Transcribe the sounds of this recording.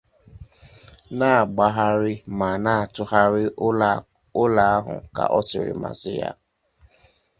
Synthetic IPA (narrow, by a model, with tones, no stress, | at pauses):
na˦˨ɡ͡ba˦ɦa˦ɾɪ˦ma˨na˦a˨tʊ˦ha˦ɾɪ˦ | ʊ˦la˨a˦ɦʊ̰˨ka̰˨ʔɔ˦sɪ˨ɾɪ̰˨ma̰˨sɪ˦ja̰˦